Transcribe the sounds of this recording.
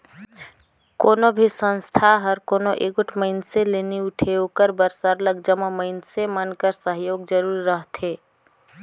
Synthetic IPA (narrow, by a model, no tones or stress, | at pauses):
konobʱisə̃nst̪ʰaɦəɾkonoʔeɡoʈʰməɪnseleniuʈʰeokəɾbəɾsəɾləɡd͡ʒəməməɪnsemənkəɾsəɦjoːɡd͡ʒəɾuɾːəɦt̪ʰe